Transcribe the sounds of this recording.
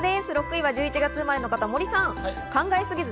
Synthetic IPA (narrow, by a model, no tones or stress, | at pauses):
d̪e̞sɨɾo̞kɯ̟iβad͡ʑɨːit͡ɕiɡat͡sɨmaɾe̞no̞kat̪amo̞ɾʲisãŋ | kãŋɡaesɨɡʲizɨ